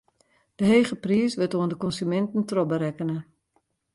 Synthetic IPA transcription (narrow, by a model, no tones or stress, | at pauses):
d̥əɦeːχəpriəsʋɪtoəndəkɔnsymɛntən̩trɔbəɾɛkənə